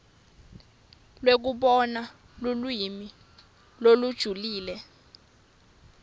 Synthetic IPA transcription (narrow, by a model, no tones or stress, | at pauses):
lwek̬uɓɔna | lulwimi | lolud̥ʒ̥ʱuliːlɛ